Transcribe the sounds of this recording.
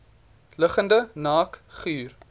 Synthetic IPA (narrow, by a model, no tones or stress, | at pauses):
ləχəndənɑːkχyːr